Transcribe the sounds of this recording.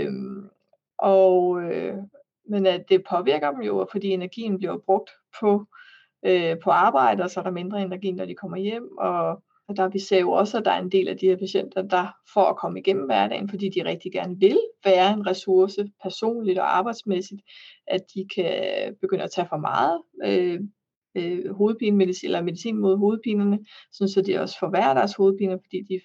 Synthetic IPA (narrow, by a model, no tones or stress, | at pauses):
m | ʔɒø | mend̥e̝pʰɒ̽ʋiɐɡ̥ɐd̥emjo̝fɒ̽d̥ḭːe̝næɐɡ̥ḭːn̩b̥liɐb̥ʁɔ̽ɡ̥̚d̥ | pʰɒ̽ | øpʰɒ̽ɑ̈ːb̥ɑ̈ɪ̰d̥əɒsɒ̽æɐɾ̥ɑ̈me̝nd̥ʁɐe̝næɐɡḭːnɒd̥ikʰɒ̽m̰ɐjem̰ɒ | d̥ɑ̈ʋisɛ̰jo̝ɒ̽səæd̥ɑ̈æɐe̝nd̥e̝̰ːlʔæd̥iheɐ̰pʰæɕen̰d̥ɐd̥ɑ̈fɒækʰɒ̽məiɡ̥em̰m̩ʋæɐd̥ɛ̰ːn̩fɒ̽d̥ḭːd̥iʁɛɡ̥̚d̥iɡ̥æɐnəʋe̝lʋæːɐe̝nʁɛsuɐsəpʰæɐso̝̰ːnlid̥ɒɑ̈ːb̥ɑ̈ɪd̥smesid̥ʔæd̥ikʰæb̥e̝ɡ̥øn̰ɐæt͡sʰɛfɒ̽mɑ̰̈ːð̞̩ˠø | ɦo̝ːð̞̩ˠpʰiːnəme̝ðˠisḭelɐme̝ðisḭːnmo̝ð̞̰ˠɦo̝ːð̞̩ˠpʰiːnɐnəsɒ̽nsɒ̽d̥iɒ̽sə̥fɒʋæːɐɾ̥æɐsho̝ːð̩ˠpʰḭːnɐfɒd̥ḭːd̥i